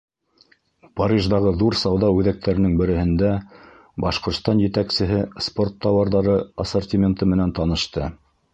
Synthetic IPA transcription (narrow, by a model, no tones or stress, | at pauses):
pɑɾʲiʒd̪ɑʁɤðuɾsɑwðɑʉðæk̚t̪ʰæɾɘ̆nɘŋbɘ̆ɾɘ̆hɘ̆nd̪æ | bɑʃqŏɾt̪st̪ɑnjɘ̆t̪æksɘ̆ɦɘspo̞rt̪ʰːɑwɑɾðɑɾɤɑsort̪ʲimʲent̪ɤmɘ̆nænt̪ɑnɤ̆ʃt̪ɤ